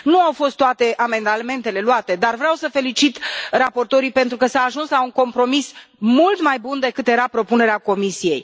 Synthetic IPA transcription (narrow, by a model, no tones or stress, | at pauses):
nuawfo̞st̪ːoat̪e̞ʔame̞nd̪ame̞nt̪e̞le̞luat̪e̞d̪arvɾeawsəfe̞lit͡ʃit̪rapo̞rt̪o̞ɾipe̞nt̪ɾukəsaːʒunslauŋko̞mpɾo̞mismult̪majbund̪e̞kɨt̪je̞ɾapɾo̞pune̞ɾeako̞misije̞j